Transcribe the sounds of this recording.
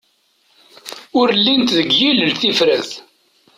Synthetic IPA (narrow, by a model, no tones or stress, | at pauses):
ʊɾlːint̪ðəɡjiləlθifɾəθ